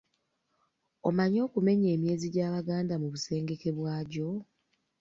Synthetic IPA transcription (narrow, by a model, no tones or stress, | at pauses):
omaɲo̞ːkume̞ɲe̞ːmje̞ːziɟaːβaɡaːndamuβuse̞ːŋɡe̞ke̞βwaːɟo̞